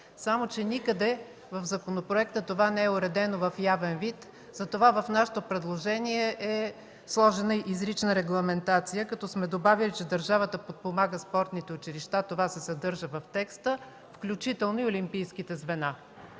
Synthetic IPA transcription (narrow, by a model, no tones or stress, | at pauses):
samot͡ʃɛnikəd̪ɛ | vəfzɐkonopɾoɛkt̪ət̪ovanɛɛʊɾɛd̪ɛnovəfjavɛnvit̪ | z̥ɐt̪ovavɐfnaʃɛ̥t̪opɾɛd̪lˠoʒɛniɛʔɛ | slˠɔʒɛnəʔizɾit͡ʃnəɾɛɡlˠɐmɛnt̪at̪sijəkɐt̪ɔsmɛd̪obavilit͡ʃɛd̪əɾʒavət̪əpot̪̚pomaɡəspɔɾt̪nit̪ɛʊt͡ʃiɾiʃt̪at̪ovasɛsɐd̪ɤɾʒəvɐft̪ɛkst̪ə | fklʲut͡ʃit̪ɛlˠnoiolʲimpijskit̪ɛzvɛna